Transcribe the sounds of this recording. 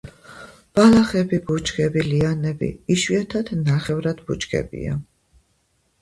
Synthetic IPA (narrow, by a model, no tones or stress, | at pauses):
b̥alaχɛbibut͡ʃɡɛbilianɛbḭiʃwiat̪ʰad̪̥naχɛvɾad̪̥but͡ʃɡɛ̰bḭa̰